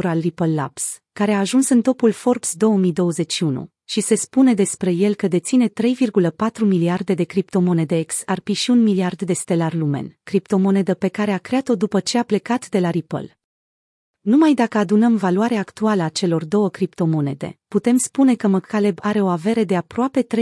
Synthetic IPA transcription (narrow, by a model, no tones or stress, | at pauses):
ɾalripəlːa̰ps | kaɾe̞aːʒunsɨnt̪o̞pulfo̞rpsd̪o̞wəmijd̪o̞wəze̞t͡ʃʃːiunṵ | ʃise̞spune̞d̪e̞spɾe̞je̞lkəd̪e̞t̪sine̞t̪ɾe̞jvirɡuləpat̪ɾumiliard̪e̞d̪e̞kɾipt̪o̞mo̞ne̞d̪eeksarpiʃiunmiliard̪d̪e̞st̪e̞larlume̞̰nkɾipt̪o̞mo̞ne̞d̪əpe̞kaɾe̞akɾeat̪o̞d̪upət͡ʃe̞aple̞kat̪d̪e̞laɾipə̰l | numajd̪akəad̪unəmvaluaɾeaːkt̪ualəat͡ʃe̞lo̞rd̪o̞wəkɾipt̪o̞mo̞ne̞̰d̪e̞̰put̪e̞mspune̞kəməkʰale̞baɾe̞o̞ave̞ɾed̪e̞apɾoape̞t̪ɾe